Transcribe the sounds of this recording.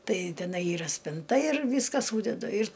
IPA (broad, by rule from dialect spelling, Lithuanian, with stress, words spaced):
ˈtɐɪ tʲɛˈnɐɪ ˈiːrɐ sʲpʲɪnˈtɐ ɪr ˈʋʲiːskɐ ˈsuːdʲɛdʊ ɪr